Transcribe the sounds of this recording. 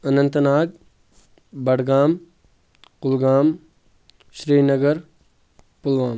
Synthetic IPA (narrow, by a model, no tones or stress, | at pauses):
ɐnɐnt̪ənaːɡ̚ | bɐɽɡaːm | qʊlɡaːm | ʃɾiːnɐɡɐɾ | pulʋaːm